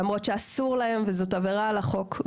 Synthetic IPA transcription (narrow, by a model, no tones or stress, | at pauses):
mʁo̞tʃeasuʁlahe̞mvezo̞taveʁaːlaχo̞k